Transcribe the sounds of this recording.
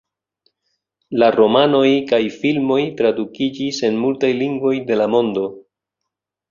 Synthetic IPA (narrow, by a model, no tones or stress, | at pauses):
laɾo̞mano̞jkajfilmo̞jtɾadukid͡ʒise̞nmultajliŋɡvo̞jde̞lamo̞ndo̞